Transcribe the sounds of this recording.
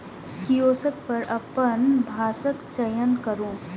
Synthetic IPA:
kijoːsək̚pɐɾɐpənbʱaːsəkt͡ʃɐjənkəɾũː

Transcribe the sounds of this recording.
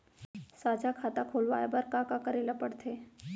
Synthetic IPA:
sad͡ʒakʰat̪akʰolʋa̰jabəɾkakakəɾelapəɽt̪ʰe

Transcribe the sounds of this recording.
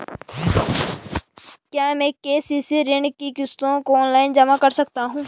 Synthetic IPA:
kjaːmɛ̃ːkeːsisiɾɪɳɖkikɪst̪õkoːnlaːɪnd͡ʒɐmakəɾsək̚t̪aɦũː

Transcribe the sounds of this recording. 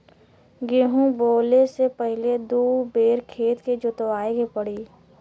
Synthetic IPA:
ɡeɦũboːlesepəɦɪled̪uːbeːɾkʰeːt̪ked͡ʒʊt̪ʋaːeɡepəɽiː

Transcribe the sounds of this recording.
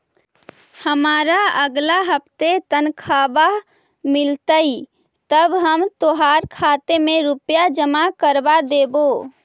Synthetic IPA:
həmaɾaəɡlaɦəp̚t̪et̪ənkʰaba | milt̪əi | t̪əbɦəmt̪oɦaɾkʰat̪emeɾupjad͡ʒəmakəɾbad̪ebo

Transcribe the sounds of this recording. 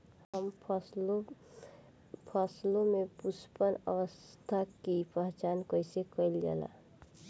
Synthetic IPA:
həms | pʰəslõmepuspənəwəst̪ʰakipəɦt͡ʃankəjsekəilɡa̰la̰

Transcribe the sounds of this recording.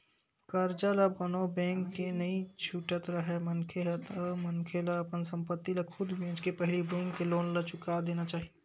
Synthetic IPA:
kɐɾd͡ʒalabbɐnobɛ̃ːŋkːenɐĩt͡ʃʰuʈət̪ɾɐɦɛmɐnkʰeɦɛt̪əmɐnkʰelaːpənsɐ̃mpət̪ːilɐkʰʊd̪bẽːt͡ʃkepɛɦlibɛ̃ːŋkːeloːnlɐt͡ʃʊkad̪eːnat͡ʃaːɦie

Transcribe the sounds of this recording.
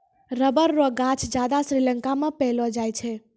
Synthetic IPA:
ɾəbəɾːoɡat͡ʃʰd͡ʒjad̪asɾiləŋkamẽpɛɦlɔd͡ʒajt͡ʃʰɛ

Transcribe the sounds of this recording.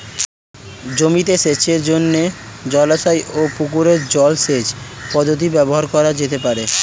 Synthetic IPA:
d͡ʑomit̪eʃet͡ɕʰeɾd͡ʑonːe | d͡ʑɔlaʃajopukuɾeɾd͡ʑɔlsed͡ʑpɔd̪ʱːot̪̬ibɛboɦaɾkɔɾad͡ʑet̪epaɾe

